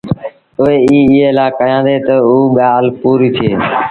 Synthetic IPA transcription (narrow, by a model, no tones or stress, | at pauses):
ʊɦeːiːɪɦeːlaːkəjãːnd̪eːt̪əuːɓɪjaːlpuːɾiːt̪ʰeː